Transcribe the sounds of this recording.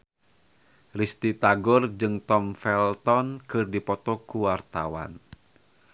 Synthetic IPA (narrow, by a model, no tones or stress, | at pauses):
rist̪it̪aɡɔrd͡ʒɨŋt̪ɔmfɛlt̪ɔnkɨrdipɔt̪ɔkuwart̪a̰wa̰n